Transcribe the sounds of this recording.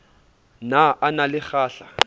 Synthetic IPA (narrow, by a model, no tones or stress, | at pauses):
naʔanalɪχaːɬa